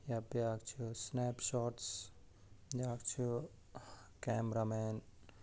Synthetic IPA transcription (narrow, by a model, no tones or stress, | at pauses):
japjaːkt͡ʃʰusnepʃɔːʈs | jaːkt͡ʃʰu | kɛːmɾameːn